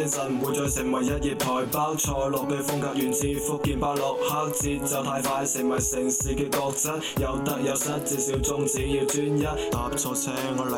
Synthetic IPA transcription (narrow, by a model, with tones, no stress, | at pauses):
ɪ˥ŋsɐ˨˩nwu˨˧jt͡ʃɔː˨˧jsɪ˨˩ŋwɐ˨˩jjɐ˦˥t̚jiː˨˩p̚t̪ʰɔː˨˩jpaː˥wt͡ʃʰɔː˧lʊ˨k̚ːe˧fʊ˥ŋkaː˧k̚jyː˨˩nt͡siː˧fʊ˥kːiː˨˧npaː˥wlʊ˨k̚haː˥k̚t͡siː˧t̚t͡sɐ˨wt̪ʰaː˧jfaː˧hɐ˨˧jsɪ˨˩ŋwɐ˨˩jsɪ˨˩ŋsiː˨˩kɛː˧kɔː˧k̚t͡sɐ˥t̚jɐ˨˧wt̪ɐ˨˥k̚jɐ˨˧t̚sɐ˥t̚t͡siː˧siː˨˥wt͡sʊ˧˥ŋt͡siː˨˧jiː˧wt͡syː˥njɐ˥t̚t̪aː˨˧p̚t͡sʰɔː˧t͡sʰɛ˥ŋ˧